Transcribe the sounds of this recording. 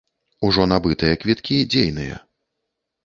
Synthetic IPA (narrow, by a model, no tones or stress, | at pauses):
uʐɔnabɨt̪ɨjɐkvʲit̪kʲid͡zʲejnɨjɐ̰